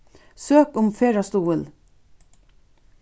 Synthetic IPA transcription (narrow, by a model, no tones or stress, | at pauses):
søːkʊmfeːɹɑst̪uːəl